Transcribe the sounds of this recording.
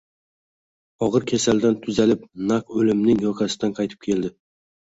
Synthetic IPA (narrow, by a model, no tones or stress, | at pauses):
ɒʁɨɾkʲʰesald̪ant̪ʰʊzalɪp̚naqɵlɪmnɪŋjɒqʰɑsɪd̪anqʰɑjt̪ʰɪ̥p̚kʲʰe̞ld̪ɪ